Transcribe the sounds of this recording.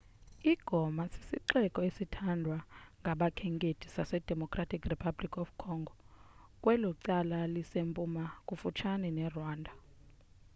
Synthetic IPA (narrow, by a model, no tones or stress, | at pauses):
iɡ̥ʱɔmasi̥sḭǃɛkʼɔesitʰandʱwaŋɡʱaɓakʰɛŋkʼetʰi̥sasɛd̥ʱɛmɔkʰʼratʰʼikʰripʰablikʰʼɔfkʰɔːŋɡʱɔ | kʼwɛlɔǀalalisempʼumakʼufut͡ʃʰanɛnɛrwaːndʱa